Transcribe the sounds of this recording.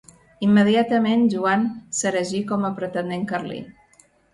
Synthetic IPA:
imːəðiat̪əmenʒuansəɾəʒikɔməpɾət̪ənd̪eŋkərlḭ

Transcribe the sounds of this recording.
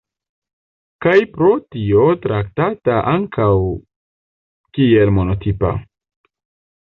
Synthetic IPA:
kajpɾo̞tio̞tɾak̚tataʔaŋkʰaw | kie̞lmo̞no̞tipa̰

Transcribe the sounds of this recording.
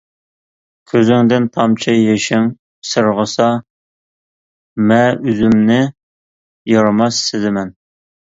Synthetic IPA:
kʲʰøzɪŋd̪ɪnt̪ʰɑmt͡ʃʰɑjeʃɪŋ | sɨɾʁəsɑ | mɛyzymnɪ | jɑɾmɑsːɪd̪ɪmɛn

